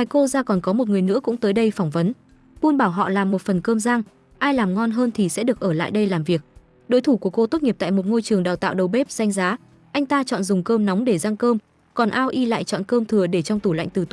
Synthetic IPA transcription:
maː˨˩jko˧zaː˧kɔ˨˩nkɔ˨˦mo˨˩t̚ŋɨ˨˩əjnɨ̰˧˥əkʊ̰˧˥ŋ͡mt̪əː˨˦jɗə˧jfɔ˧˩wŋ͡mvə˨˦n | ɓu˧ənɓaː˧˩wɦɔ̰˧˨laː˨˩mːo˨˩t̚fə˨˩nkəː˧mzaː˧ŋ | ʔaː˧jlaː˨˩mŋɔ˧nɦəː˧nt̪ʰi˨˩sɛ̰˧˥ɗɨ˨˩ək̚ʔəː˧˩la̰ː˧˨jɗə˧jlaː˨˩mvi˨˩ək̚ | ɗo˨˦jt̪ʰu˧˩ku˧˩əko˧t̪o˦˥t̚ŋi˨˩p̚t̪a̰ː˧˨mo˨˩t̚ŋo˧jt͡ɕɨ˨˩əŋɗaː˨˩wt̪a̰ː˧˨wɗə˨˩wɓe˦˥p̚z̥a˧jŋ̟zaː˨˦ | ʔa˧jŋ̟t̪aː˧t͡ɕɔ̰˧˨nzʊ˨˩ŋ͡mkəː˧mnɔ˨˦wŋ͡mɗe˧˩zaː˧ŋkəː˧m | kɔ˨˩nʔaː˧wʔi˧la̰ː˧˨jt͡ɕɔ̰˧˨nkəː˧mt̪ʰɨ˨˩əɗe˧˩t͡ɕɔ˧wŋ͡mt̪u˧˩la̰˧˨ŋt̪ɨ˨˩t̪

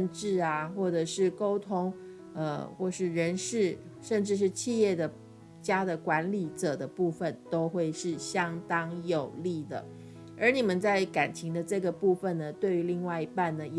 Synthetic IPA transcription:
nʈ͡ʂɻ̩˥˩a˩xwɔ˥˩ʈ͡ʂɤ˨˩ʂɻ̩˥˩ko˥ʊt̪ʰʊ˥ŋ | ə˧xwɔ˥˧ʂɻ̩˥˩ɻə˧˥nʂɻ̩˥˩ʂə˥˧nʈ͡ʂɻ̩˥˧ʂ̬ɻ̩˥˧t͡ɕʰi˥˧jɛ˥˩d̪ə˩ | t͡ɕja˥d̪ə˨kwa˧˥nli˨˩˦ʈ͡ʂɤ˨˩d̪ə˦pu˥˩fə˨˩nt̪o˥ʊxwe˥˧ɪʂɻ̩˥˩ɕjɑ˥ŋt̪ɑ˥ŋjo˨˩ʊli˥˩d̪ə̰˩ | ə˞˨˧˥ni˨˩mə˦nt͡sa˥˩ɪka˨˩nt͡ɕʰi˧˥ŋd̪ə˧ʈ͡ʂɤ˥˩ɡə˩pu˥˧fə˨˩nnə˩t̪we˥˩ɪy˧˥li˥˧ŋwa˥˩ɪi˧˥pa˥˩nnə˩j

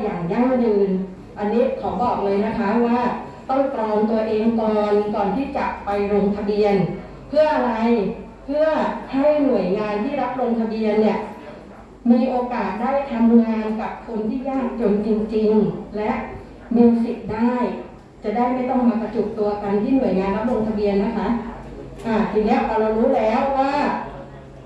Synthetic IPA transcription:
jaː˨˩ŋja˥˩ŋjɯː˧n | ʔa˧nːiː˦˥kʰɔː˩˦bɔː˨˩k̚lɤː˧jna˦˥kʰa˦˥waː˥˩ | t̪ɔ˥˩ŋklɔː˧nt̪u˧ɐʔeː˧ŋt̪ɔː˧nkɔː˨˩nt̪ʰiː˥˩t͡ɕa˨˩ʔpa˧jɾo˧ŋt̪ʰa˧bi˧ən | pʰɯ˥˩ɐʔa˧ɾa˧j | pʰɯ˥˩ɐha˥˩jnu˨˩əjŋaː˧jt̪ʰiː˥˩ɾa˦˥p̚ɾo˧ŋt̪ʰa˧bi˧ənːi˧˩ə | miː˧ʔoː˧kaː˨˩t̪̚daː˥˩jt̪ʰa˧mmɯ˧ŋaːaː˧nka˨˩p̚kʰo˧nt̪ʰiː˥˩jaː˥˩ŋt͡ɕo˧nt͡ɕi˧ŋt͡ɕi˧ŋlɛ˦˥ʔ | mi˧wsi˨˩t̪̚daː˥˩j | t͡ɕa˨˩daː˥˩jma˥˩jt̪ɔ˥˩ŋmaː˧ka˧t͡ɕu˨˩k̚t̪u˧ɐka˧nt̪ʰiː˥˩nu˨˩əjŋaː˧nɾa˦˥p̚ɾo˧ŋt̪ʰa˧bi˧ənːa˦˥kʰa˦˥ʔa˧˩t̪ʰi˨˧˩ŋlɛː˦˥˩wʔa˧ɾaː˧wɾuː˦˥lɛː˦˥wːaː˥˩

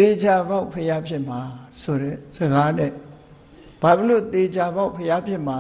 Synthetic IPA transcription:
t̪e˨d͡ʑa˨ba˦ʊpʰəja˦pʰjɪ̃˦˨ʔm̥a˨sʰo˨ɾɛ̰˦˨zə˨ɡa˦nɛ̰˦˨ | b̥a˨bə˦˨lo˦˨t̪e˨d͡ʑʰa˨ba˦ʊpʰəja˦pʰjɪ̃˦˨ma˨

